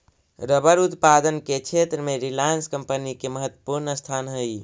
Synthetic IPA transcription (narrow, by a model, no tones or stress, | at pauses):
ɾəbəɾut̪pad̪ənket͡ʃʰet̪ɾəmeɾilanskəmpənikeməɦət̪ːwə̥puɾnəst̪ʰanɦəj